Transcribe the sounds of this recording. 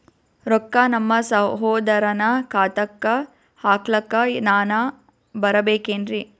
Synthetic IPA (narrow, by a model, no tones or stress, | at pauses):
ɾɔkːanɐmːɐsɐɦoːd̪ɐɾɐnɐkʰaːt̪ɐkːɐ | haːklɐkːɐnaːnɐ | bɐɾɐbeːkeːnd̪ɾi